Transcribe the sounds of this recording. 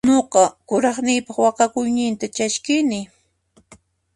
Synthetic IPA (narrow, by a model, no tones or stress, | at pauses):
noqɑkʊɾɑχnɪjpɑχwɑqɑkʊjnɪnt̪at͡ʃaʃkɪnɪ